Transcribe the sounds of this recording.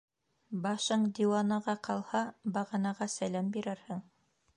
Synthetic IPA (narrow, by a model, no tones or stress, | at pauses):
bɑʃɤɴd̪ʲiwɑnɑʁɑqɑlˠhɑbɑʁɑnɑʁɑsælæmbiɾɘɾhɘŋ